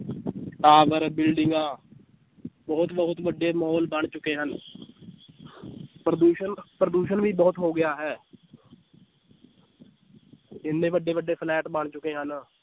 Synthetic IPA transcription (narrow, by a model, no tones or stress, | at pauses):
ʈaːʋəɾbɪlɖɪŋɡãː | bəɦʊt̪bəɦʊt̪ʋəɖːeːmɔːlbəɳ̃t͡ʃʊkeːɦən | pɾəd̪uːʃənpɾəd̪uːʃənʋiːbəːʊt̪ɦoːɡɪjaːɦɛː | ɪnːẽːʋəɖːeːʋəɖːeːpʰlɛːʈbəɳt͡ʃʊkeːɦən